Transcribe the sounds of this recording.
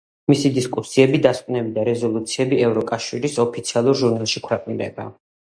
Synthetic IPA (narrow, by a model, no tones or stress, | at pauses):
misid̪iskʼusiɛbid̪askʼnɛbid̪aɾɛzɔlˠut̪sʰiɛbiɛvɾɔkʼaʃiɾisɔpʰit̪sʰialˠuɾʒuɾnalˠʃikʰwɾɛqʼund̪ɛ̰ba̰